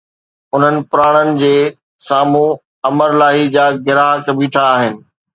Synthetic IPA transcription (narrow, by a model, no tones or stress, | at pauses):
ʊn̤ənɪ̆pʊɾaːɽ̃ənɪ̆d͡ʑeː | saːmũ | ɐməɾlaːɦid͡ʑaːɡɪɾaːɦkɐbiːʈʰaːɦɪnɪ̆